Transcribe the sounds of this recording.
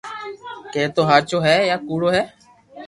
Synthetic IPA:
keːt̪oːɦaːɾt͡ʃoːɦɛːjaːkuːɽoːɦɛː

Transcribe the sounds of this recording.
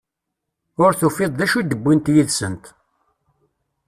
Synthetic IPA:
ʊɾθufɪðˤðæʃud̪əbːint̪jiðsənt̪

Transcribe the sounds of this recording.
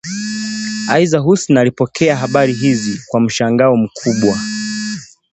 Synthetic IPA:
aizaɦusnalipɔkʰɛaɦaɓaɾiɦizikwam̩ʃaŋɡaɔm̩kʰuɓwa

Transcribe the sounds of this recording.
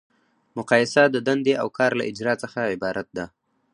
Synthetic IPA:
mʊqɑjɪsad̪əd̪and̪eʔawkʰɑɾla̰ʔɪd͡ʒɾɑt͡səxaɪbɑɾat̪̚d̪a

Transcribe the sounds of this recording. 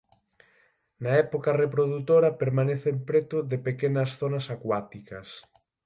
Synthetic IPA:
naɛpokarepɾoðut̪oɾɐpeɾmaneθeempɾet̪ʊðepekenɐsθonɐsakwat̪ikɐ̰s

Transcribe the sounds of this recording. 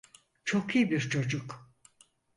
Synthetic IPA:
t͡ʃʰokʰijibiɾt͡ʃʰo̞d͡ʒuk

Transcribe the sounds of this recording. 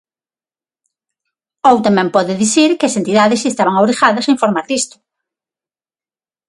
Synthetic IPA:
owt̪amɛ̃mpɔðɪðiθiɾkɪɐsent̪iðaðɪsest̪aβɐŋawɾixaðɐseiɱfoɾmaɾðist̪ʊ̥

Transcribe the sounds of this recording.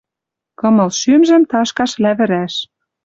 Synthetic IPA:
kɤ̆mɤ̆lʃymʒə̆mt̪ɑʃkɑʃlæβɘ̆ɾæʃ

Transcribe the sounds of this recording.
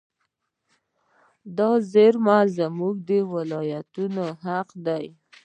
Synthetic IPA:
d̪ɑzeɾmazamuɡ̚d̪əwɪlɑjat̪unoɦaqd̪aj

